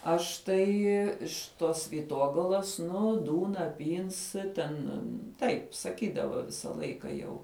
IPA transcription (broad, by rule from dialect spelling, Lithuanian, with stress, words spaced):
ˈɐʃ tɐɪ ɪʃ ˈtoːs ʋʲiːˈtoːɡɐlˠɐs ˈnʊ ˈduːnɐ ˈpʲiːns ˈtʲɛn ˈtɐɪp sɐˈkʲiːdɐʋɐ ˈʋʲɪsɐ ˈlˠɐɪkɐ jɛʊ